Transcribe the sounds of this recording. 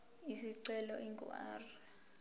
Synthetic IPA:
isiǀɛlɔʔiŋɡṵa̰ːri

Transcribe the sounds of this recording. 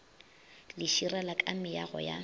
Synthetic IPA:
lɪʃiralakʼamɪjaɣɔ̰ja̰

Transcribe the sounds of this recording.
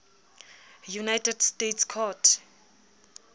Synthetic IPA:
junajtʰɛdstetskʰɔtʰ

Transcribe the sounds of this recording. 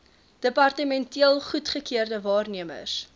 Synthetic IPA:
d̥əpɐrtəmɛntiəlˠχutχəkiərdəvɑːrniəmə̰s

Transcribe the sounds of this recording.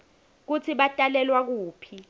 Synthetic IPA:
k̬ut͡sʰiɓatʼalɛlwak̬uːpʰi

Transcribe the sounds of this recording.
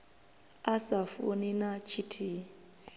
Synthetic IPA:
asafuninat͡ʃʰitʰi

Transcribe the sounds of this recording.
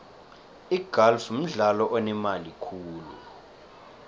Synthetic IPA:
iɡ̥ʱalfm̩ɮalɔʔɔnɛmalikʰuːlṵ

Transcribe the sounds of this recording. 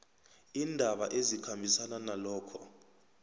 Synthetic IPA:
indʱaɓaʔezikʰambʱisananalɔːkʰɔ

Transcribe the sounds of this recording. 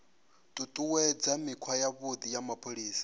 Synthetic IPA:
t̪ʼut̪ʼuwɛd͡zamikʰwajaβod̪ijamapʰoɺiːsḁ

